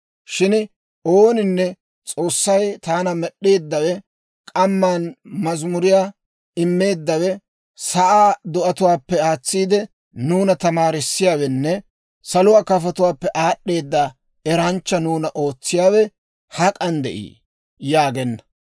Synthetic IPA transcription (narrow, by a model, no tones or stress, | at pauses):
ʃɪn | oːnɪnːɛ | t͡sʼo̞ːsːɐjt̪aːnɐmɛɗːe̞ːd̪ːɐwɛ | kʼɐmːanmɐzmʊɾɪjaː | ɪmːe̞ːd̪ːɐwɛ | sɐʔaːd̪ɔʔɐt̪ʊwaːpːɛaːt͡sːiːd̪ɛ | nuːnɐt̪ɐmaːɾɪsːɪjaːwɛnːɛ | sɐlʊwaːkɐfɐt̪ʊwaːpːɛʔaːɗːe̞ːd̪ːa | ɛɾɐnt͡ʃːɐnuːnɐʔo̞ːt͡sːɪjaːwɛ | hɐkʼɐnd̪ɛ̰ʔḭː | jaːɡɛnːɐ̥